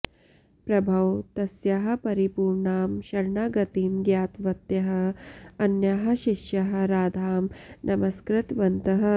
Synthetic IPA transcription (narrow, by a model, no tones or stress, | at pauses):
pɾɐbʱɐwt̪ɐsjɐɦɐ̆pɐɾipuːɾɳaːmʃɐɾɳaɡɐt̪imɡjaːt̪ʋɐt̪jɐɦɐ̆ɐnjɐɦɐ̆ʃiʃjɐɦɐ̆ɾaːd̪ʱaːmnʔɐmɐskɾɪt̪ʋɐnt̪ɐɦɐ̆